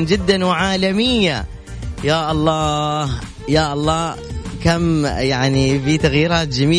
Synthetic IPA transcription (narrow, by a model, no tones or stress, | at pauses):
nd͡ʒɪd̪ːanwɪʕaːlamɪjːa | jaːʔɑlˤːɑːh | jaːʔɑlˤːɑːkamjaʕnifit̪aɣjiːɾaːt̪̚d͡ʒamiː